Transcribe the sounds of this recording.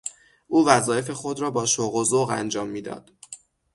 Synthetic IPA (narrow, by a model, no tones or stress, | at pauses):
ʔuːvæzɒːjefe̞xo̞d̪ɾɒːbɒːʃoɣozoɣæ̰nd͡ʒɒːmːiːd̪ɒ̰ːd̪̥